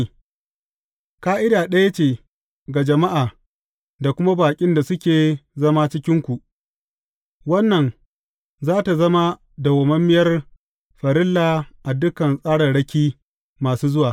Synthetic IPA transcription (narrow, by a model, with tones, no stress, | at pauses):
kaː˦ʔɪ˦daː˨ɗɐ˦ja˦t͡ʃeː˨ | ɡa˨d͡ʒɐ˨ma˦ʔaː˨ | da˨kʷʊ˦ma˦baː˨kʲʼɪ˦nda˨sʊ˦kʲeː˨zɐ˦ma˦t͡ʃɪ˦kʲɪ˦ŋkʷu˨ʔ | wɐ˦nːɐ˨n | zaː˦ta˨zɐ˦ma˦ | da˨wɐ˨mɐ˦mːɪ˦jɐ˦r | ɸɐ˨ɾɪ˦lːaː˨ʔa˨dʊ˦kɐ˨nsʼaː˦ɽɐ˨rɽɐ˦kʲiː˦ | maː˨suː˦zʊ˦waː˨